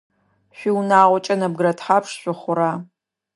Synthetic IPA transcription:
ɕʷiwnaːʁʷɔt͡ʃʼɐnɐb̚ɡɨɾɐtħaːpʰʂɕʷʊχʷʊɾaː

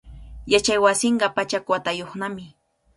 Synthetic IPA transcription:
jat͡ʃajwasɪɴɢɑpat͡ʃakwat̪ajoχnamɪ

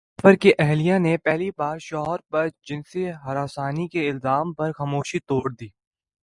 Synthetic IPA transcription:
fəɾkeʔɛɦlijãnepɛɦlibaːɾʃɔːɦəɾpɐɾd͡ʒɪ̃nseɦɐɾaːsaːnikeɪlzaːmpɐɾxɐmoːʃit̪oːɽd̪iː

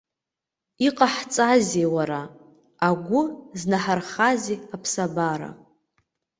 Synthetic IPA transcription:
iqʼaħt͡sʼazewaɾa | aɡʷʊznaħarχazeapʰsabaɾa̰

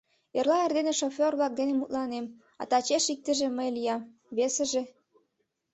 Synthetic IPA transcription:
erlɑerd̪eneʃofʲorβlɑk̚d̪enemut̪lɑnem | ɑ̰t̪ɑt͡ɕeʃik̚t̪ə̆ʒĕməjlijɑm | βesə̆ʒĕ

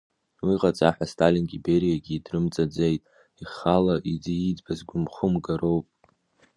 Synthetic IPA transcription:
wiqʼat͡sʼaħastʰalinɡʲibe̞ɾijaɡʲiːdrɨmt͡sʼad͡zejtʼ | iχalaʔid͡ziːd͡zbazɡʷʊmχʊmɡaɾo̞wpʼ

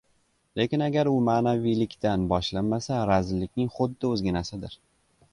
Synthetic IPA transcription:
le̞kʲɪnaɡʲaɾʊmaːnavijlɪkʲt̪anbɒʃlanmasaɾazɪlːɪkʲnɪŋχʊd̪ːɪɵzɡʲanasɪd̪ɪɾ

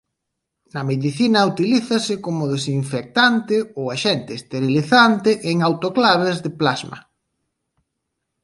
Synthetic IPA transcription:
nɐmeðiθinɐut̪iliθɐsɪkomʊðesiɱfek̚t̪ant̪ɪowaʃɛnt̪ɪːst̪eɾiliθant̪ɪʔeŋawt̪oklaβ̞ezðeplazmɐ̰

